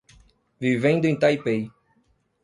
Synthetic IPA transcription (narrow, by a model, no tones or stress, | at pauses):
vivẽnd̪ʊẽt̪ajpej